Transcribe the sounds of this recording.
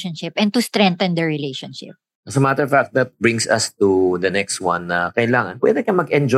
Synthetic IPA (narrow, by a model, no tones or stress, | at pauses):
ɔnʃɪpʔɛ̃n̚t̪ust̪ɾɛ̃nt̪ɐnd̪ɛɹɪlejʃɔnʃɪ̰p̚ | ʔɐsɐmat̪əfak̚t̪̚d̪ɐt̪̚bɹɪ̃ŋsɐ̰st̪ud̪ɐnɛkst̪̚wã̰nːɐkɐʔɪlaːŋɐnwɛ̰d̪ɛkɐnmɐɡɛnd͡ʒɔ